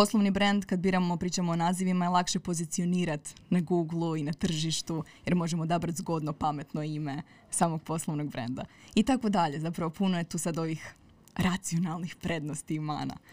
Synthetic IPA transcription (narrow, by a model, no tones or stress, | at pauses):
po̞slˠoʋnibɾend̪kad̪biːɾamopɾiːt͡ʃamoːnaːziʋimaelˠakʃe̞po̞zit̪sio̞niːɾat̪naɡuːɡlˠuinat̪r̩ʒiʃt̪ujeɾmo̞ʒemod̪abɾat̪zɡo̞d̪nopame̞t̪no̞ime̞ | saːmo̞ɡ̚po̞slˠoʋnoɡ̚bɾḛnd̪a̰it̪ako̞d̪aʎe̞zapɾaʋo̞punoje̞t̪uːsad̪o̞ʋix | ɾʔat̪sio̞nalˠnixpɾe̞d̪no̞st̪iuma̰ːna̰